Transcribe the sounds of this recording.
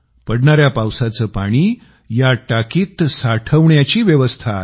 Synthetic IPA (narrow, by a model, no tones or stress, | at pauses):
pəɽɳaɾjapawsat͡səːpaɽ̃iː | jaʈakiːt̪saʈʰəʋɳjat͡ɕiːʋjeʋəst̪ʰa